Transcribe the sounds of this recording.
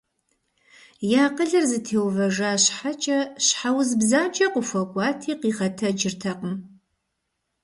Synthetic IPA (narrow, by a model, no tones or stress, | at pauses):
jaːqəɮɨrzɨtʰeːwvɐʒaːɕħat͡ʃʼɐɕħawzbzaːnt͡ʃʼɐqʷʊfʷɐkʷʼɑːtʰiːqiːʁɐtʰɐd͡ʒɪrtʰɐqəm